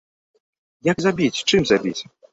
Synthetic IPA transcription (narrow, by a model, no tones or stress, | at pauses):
jaɡzabʲit͡sʲt͡ʂɨmzabʲit͡sʲ